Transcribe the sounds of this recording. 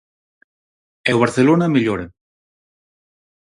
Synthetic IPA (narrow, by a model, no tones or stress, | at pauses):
ewβaɾθelonamiʎoɾe